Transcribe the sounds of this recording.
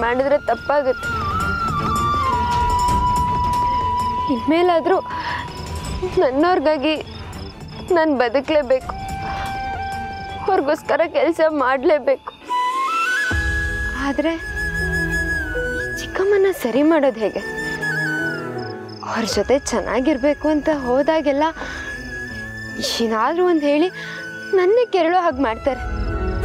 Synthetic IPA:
maːɽid̪ɾet̪ɐpːaːɡut̪ːe | inmeːlaːd̪ɾu | nɐnːɐʋɾɡaːɡi | naːnbɐd̪ukle̞ːbe̞ːku̥ | ɐʋɾɡoːskɐɾɐkɛlsɐmaːɽle̞ːbeːku̥ | aːd̪ɾe̞ | t͡ʃi̥kːɐmɐnːɐsɐɾimaːɽo̞ːd̪ɦe̞ːɡe̞ | ɐʋɾd͡ʒot̪e̞t͡ʃɛnʔa̰ːɡiɾbe̞ːkuɐnt̪ɐɦoːd̪aːɡɛlːɐ | inaːd̪ɾuɐnd̪ɦe̞ːɭi | nɐnːeːkɛɾɐɭoɦaːɡmaːɖt̪aːɾe

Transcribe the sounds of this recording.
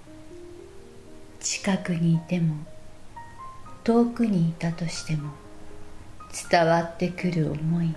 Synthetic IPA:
t͡ɕi̥kakɯ̟ɲ̟iːt̪e̞mo̞ | t̪o̞ːkɯ̟ɲ̟iːt̪at̪o̞ɕi̥t̪e̞mo̞ | t͡sɨ̥t̪aβat̪ːe̞kɯ̟ɾɯ̟o̰mo̞i

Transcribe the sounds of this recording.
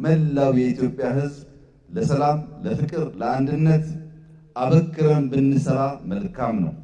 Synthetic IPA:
məlːawjɛit̪jo̞pʼːjahɨzb | ləsəlamləfɨkʼɨɾləand̪ɨnːət̪ | ʔaβəkːɨɾəmbɨnːɨsəɾaməlkʰamnə̰w

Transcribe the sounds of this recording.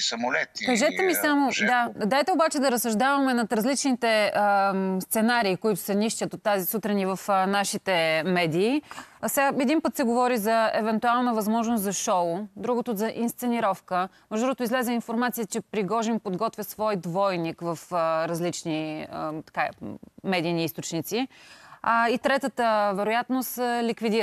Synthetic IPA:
sɐmolɛt̪kɐʒɛt̪ɛmisamod̪ad̪ajt̪ɛobat͡ʃɛd̪ɐɾɐsːɐʒd̪avɐmɛnɐt̪ɾɐzlit͡ʃnit̪ɛəst̪sɛnaɾiːkoit̪ʊ̥sɛniʃtʲət̪ot̪ːazisut̪ɾɛnivɐfnaʃit̪ɛmɛd̪iːsɛɡaɛd̪inpət̪sɛɡovɔɾizɐɛvɛnt̪ualˠnəvɐzmɔʒnost̪zɐʃɔʊd̪ɾuɡot̪ozɐʔinst̪sɛniɾɔfkə | mɛʒd̪ɾot̪ʊizlɛzəinfoɾmat̪sijət͡ʃɛpɾiɡɔʒimpod̪ɡɔt̪vʲjəsvɔjd̪vɔjnikvəfɾɐzlit͡ʃniət̪ɐ̥kamɛd̪iːniist̪ot͡ʃnit̪si | it̪ɾɛt̪ət̪əvɛɾojat̪nosəlikvid̪i

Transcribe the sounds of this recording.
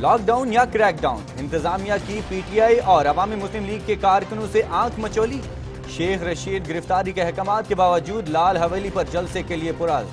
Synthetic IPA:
lɔːk̚ɖaːʊ̃njakɾɛːk̚ɖaːʊ̃nɪ̃nt̪ɪzaːmijakipiːʈijaːiʔɔːɾɐʋaːmimʊslɪmliːɡ̚kekaːɾkənõseʔãːkʰmɐt͡ʃoːli | ʃeːxɾɐʃiːd̪ɡɪɾɪft̪aːɾikeɦɛkəmaːt̪̚kebaːʋəd͡ʒuːd̪laːlɦɐʋeːlipɐɾd͡ʒɐlsekeliepʊɾaːl

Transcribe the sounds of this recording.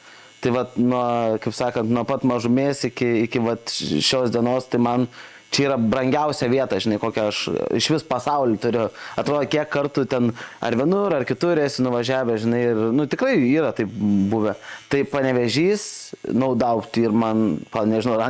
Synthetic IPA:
t̪ɐɪʋɐt̪nuɔkɐɪpsɑːkɐnt̪nuɔpɐt̪mɐʒʊmʲeːsɪkʲɪɪkʲɪʋɐt̪ʃʲoːsd̪ʲiɛnoːst̪ɐɪmɐn | t͡ʃʲɛiːɾɐbɾɐŋʲɡʲɛʊsʲɛʋʲiɛt̪ɐːʒʲɪnɐɪkoːkʲɛɐʃɪʃʋʲɪspɐsɐʊlʲit̪ʊɾʲɪɐt̪ɾoːd̪ɐkʲiɛkkɐrt̪uːt̪ʲɛnɐ̰ɾʋʲɪnʊɾɐrkʲɪt̪ʊɾʲɛsʲɪnʊʋɐʒʲæːʋʲɛʒʲɪnɐɪɪrnʊt̪ʲɪkrɐɪiːɾɐt̪ɐɪp̚buːʋʲɛt̪ɐɪpɐnʲɛʋʲɛʒʲiːsnɐʊd̪ɐʊpt̪ʲiːrmɐnpɐnʲɛʒʲɪnɐʊɐ

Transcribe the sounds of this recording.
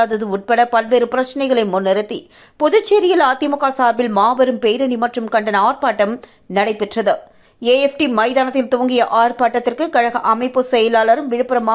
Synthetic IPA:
aðɐðɯʊʈ̚pɐɽɐpɐlʋeːɾɯpɪɾɐt͡ʃːɐnɐɪɣɐɭɐɪmʊnːɐɾɯt̪ːḭ | pɔðɯt͡ʃːeɾɪjɐlaːt̪ːɪmʊkːaːsaːɾbɪlmaːbɐɾɯmpejɾɐnimɐʈrɯmkɐɳɖɐnɐaːrpaːʈːɐm | nɐɽɐɪpːɪʈrɐðɯ | eːɛfʈimɐɪðaːnɐt̪ːɪlt̪oːɐŋɡɪjɐʔaːrpaːʈːɐt̪ːɪrkɯkɐɻɐɣɐʔɐmɐɪpːɯsɛjɐlaːlɐɾɯmʋɪɻɯpɯɾɐmaː

